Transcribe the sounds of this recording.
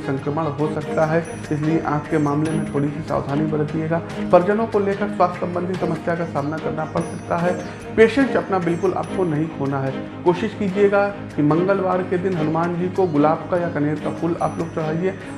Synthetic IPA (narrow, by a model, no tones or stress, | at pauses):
sɐ̃ŋkɾəməɽɦosɐk̚t̪aɦɛ | ɪslieʔaːpkemaːmlemẽt̪ʰoːɽisisa̰ːwd̪ʱaːnibɐɾət̪ieːɡaːpɐɾd͡ʒənõkoleːkəɾswaːst̪ʰːsɐ̃mbə̃nd̪ʱisɐməsjakasaːmnakɐɾnapɐɽsɐkt̪aɦɛ | peːʃə̃nʈɐpnabɪlkʊla̰ːp̚konɐɦĩkʰoːnaɦɛ | koːʃɪʃkiːd͡ʒieɡa | kimɐ̃ŋɡəlʋaːɾked̪ɪnɦɐnʊmaːnd͡ʒiːkoɡʊlaːbkajakɐneːɾkapʰʊla̰ːploːɡ̚t͡ʃɐɽ̤aːieː